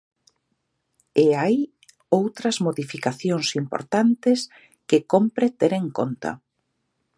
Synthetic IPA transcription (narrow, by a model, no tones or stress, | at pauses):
eaj | owt̪ɾɐzmoðifikaθjoŋsimpo̰ɾt̪ant̪ɪs | kɪkompɾet̪eɾeŋkont̪a̰